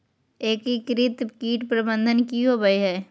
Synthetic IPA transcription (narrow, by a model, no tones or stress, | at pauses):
eːkikɾɪt̪kiːʈpɾəbə̃nd̪ʱənkiɦobɐiɦɛː